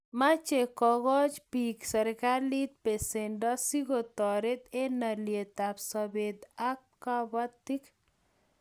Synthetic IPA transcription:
mat͡ʃekɔɣɔt͡ʃpiksɐɾkaɾlit̪̚pesenɖɔsiɡot̪ɔɾet̪enaliet̪apsɔbed̪akː | abt̪ːik

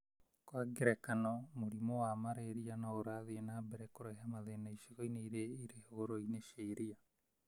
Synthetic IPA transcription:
kwaɡeɾekanɔmoɾimɔwamaɾeɾianaoɾaðeenaːbɛɾɛkoɾɛɦamaðenaiʃiɣoineiɾeiɾeheɣoɾoineʃeiɾia

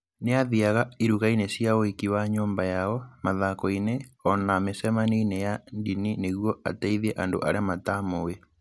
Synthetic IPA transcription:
neaðiaɣaiɾuɣainesjaoikiwaɲoːmbajaɔmaðakɔineɔnamesɛmaninejandinineɣwɔa̰tɛiðiɛʔando̰ʔa̰ɾeamatamowe

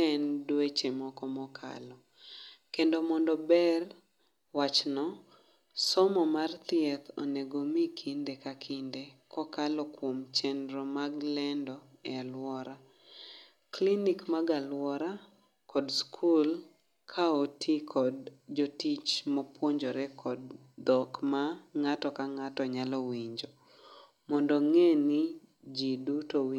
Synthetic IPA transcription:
ɛndwet͡ʃemɔkɔmɔkʰa̰lɔ | kendomɔndɔbɛr | wat͡ʃnɔ | sɔmɔmart̪ɪɛt̪ɔ̰neɡomikʰindekakʰindekɔkalɔkwomt͡ʃɛndɾɔmaɡlɛndɔɛalwɔɾa | klinikmaɡalwɔɾa | kɔdskʰul | kʰaotʰikʰɔdd͡ʒotit͡ʃmɔpwoɲd͡ʒɔɾɛkʰɔd | d̪ɔkmaŋatɔkaŋatɔɲalɔwiɲd͡ʒo | mɔndɔŋeni | d͡ʒidutowi

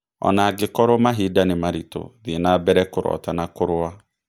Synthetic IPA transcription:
ɔ̰naɡɪkɔɾɔmaɦidanɪmaɾito̰ðinaːbɛɾɛkʊɾɔ̰tanakʊɾʊa

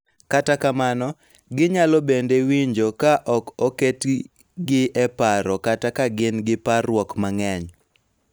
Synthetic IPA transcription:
katakamanɔ | ɡɪɲalɔbendewiɲd͡ʒokaʔɔkoket | ɡɪɛpaɾɔkatakaɡɪnɡɪparwɔkmaŋɛɲ

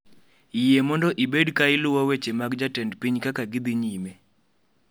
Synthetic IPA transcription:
ijemɔndɔʔibedkaɪlʊwawet͡ʃemaɡd͡ʒatɛndpiɲkakaɡɪd̪iɲime

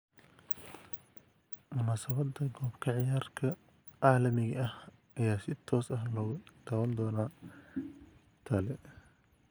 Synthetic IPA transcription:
mʊnaːsɐβɐd̪ːɐɡɔːbkʰɐʕɪjaːrkʰɐ | ʕɑːlɐmɪɣɐɐh | ɐjaːsɪt̪ʰɔːsɐɦlɔːʊd̪̥aːwɐnd̪ɔːnaː | t̪ʰɐlɛ

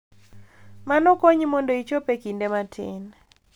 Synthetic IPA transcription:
manɔkoɲmɔndoit͡ʃopekindematʰɪ̰n

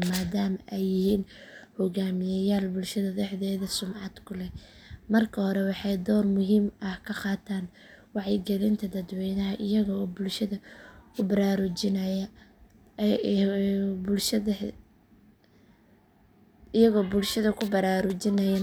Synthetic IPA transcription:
maːd̪aːmɐʔɛjːɪhiːnhɔɣaːmɪjɐjaːlbʊlʃɐðɐðɛħðɛːðɐsʊmʕɑd̪kʰʊlɛmɐrkʰɐhɔɾɛwɑħɑjd̪ɔːrmʊɦiːmɐhkʰɐqɑːt̪ʰaːn | wɑʕjɪɡɛlɪnt̪ʰɐd̪ɐd̪wɛjnɐɦɐʔɪjɐɣɐːbʊlʃɐðɐkʰʊbɐɾaːɾʊt͡ʃɪnɐjɐ | bʊlʃɐ | ɪjɐɣɔːbʊlʃɐðɐkʰʊbɐɾaːɾʊt͡ʃɪnɐjɛːn

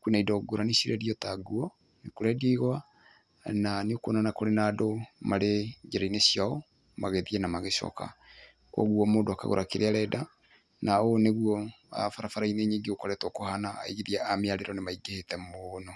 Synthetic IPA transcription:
kwenaidɔɡoɾanisiɾɛdiɔtaɡuɔ | nekoɾɛdiɣwa | naneokonanakoɾenadomaɾed͡ʒeɾainesjaɔ | maɣeðianamaɣeʃɔ̰ka̰ | kwɔ̰ɣuɔmoːndoaka̰ɣo̰ɾakeɾeaɾɛda | naoneɣuɔ | a̰faɾafaɾaineɲiŋɡeokɔɾɛtwɔkohana̰ːiɣiðiaameaɾeɾɔnemaiɡehetɛmonɔ

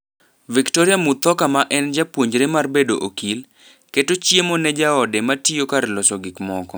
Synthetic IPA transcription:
viktɔɾɪamut̪ɔkamaʔɛnd͡ʒapwoɲd͡ʒɾemarbedoʔokil | ketot͡ʃjemonɛd͡ʒaɔdɛmatiokaɾlɔsɔɡɪkmɔkɔ

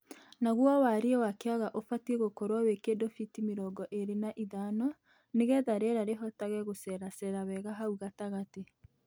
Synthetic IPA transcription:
naɣwawaɾiɛwakeaɣaʔofatieɣokɔɾwawekedofitimeɾɔɡɔʔeɾenaʔiðanɔ | neɣɛðaɾeɾaɾeɦɔtaɣɛɣosɛɾasɛɾawɛɣaɦauɣataɣate

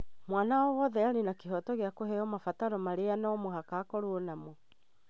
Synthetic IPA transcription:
mwanawɔwɔðɛaɾenakeɦɔtɔɣeakohɛɔmafataɾɔmaɾeanamoɦakaːkɔɾwonamo

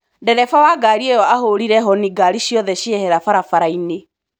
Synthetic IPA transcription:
dɛɾɛfawaɡaːɾiejɔaɦoɾiɾɛɦɔniɡaɾiɕjɔðɛɕiɛhɛɾafaɾafaɾaine

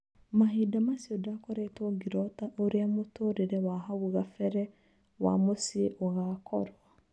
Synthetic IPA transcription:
maɦiːdamasiɔdakɔɾɛtoɡiɾɔtaʔoɾeamotoːɾeɾɛwaɦaɣuɣafɛɾɛ | wa̰mosieʔoɣaːkʰɔɾwa

